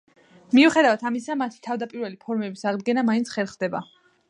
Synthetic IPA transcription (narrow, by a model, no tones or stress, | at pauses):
miuχɛd̪avat̪ʰamisamat̪ʰi̥t̪ʰavd̪apʼiɾvɛlipʰɔɾmɛbisaʁd̪ɡɛnamaint̪sʰχɛɾˠχd̪ɛba